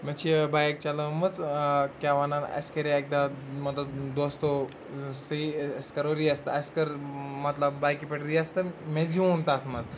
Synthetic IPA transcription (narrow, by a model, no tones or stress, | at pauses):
meɐt͡ʃʰibajkt͡ʃɐləmɐt͡skʲaʋananɐ̰skɐɾeek̚d̪amɐt̪lɐd̪ost̪o | sɐiɐskɐɾoɾiɐst̪ɐɐskɐɾmɐt̪lɐbːajkipɐʈɾiɐst̪ɐmeziũnt̪at̪ʰmɐt͡s